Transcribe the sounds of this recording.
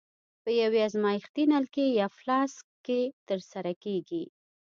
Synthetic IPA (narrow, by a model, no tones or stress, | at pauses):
pəjaweazmɑjixt̪inalkejɑflɑskːet̪əɾsaɾakeɡi